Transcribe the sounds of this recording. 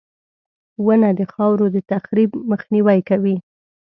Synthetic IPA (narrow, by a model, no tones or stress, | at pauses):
wənad̪əxɑwɾod̪ət̪axɾibməxniwajkawi